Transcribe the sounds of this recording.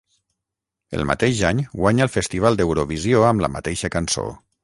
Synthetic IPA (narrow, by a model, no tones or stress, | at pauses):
ə̰lˠmə̰t̪eʃaɲɡwaɲəlˠfəst̪iβ̞alˠd̪ewɾoβizioəmlə̰ma̰t̪eʃəkanso̰